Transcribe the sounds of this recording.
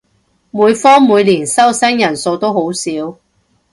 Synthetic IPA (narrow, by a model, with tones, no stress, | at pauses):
muː˨˧jfɔː˥ŋmuː˨˧jliː˨˩nsɐ˥wsɛ˥ŋjɐ˨˩nso˧wt̪o˥who˨˥wsiː˨˥w